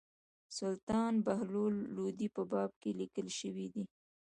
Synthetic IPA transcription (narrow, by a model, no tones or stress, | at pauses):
sʊlt̪ɑnbaɦlolːod̪ipəbɑb̚kelikəlʃəwid̪i